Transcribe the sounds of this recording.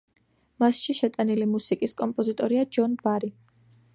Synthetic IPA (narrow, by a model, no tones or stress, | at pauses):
masʃiʃɛt̪ʼanilimusikʼiskʼɔmpʼɔzit̪ʼɔɾiad͡ʒɔnbaɾi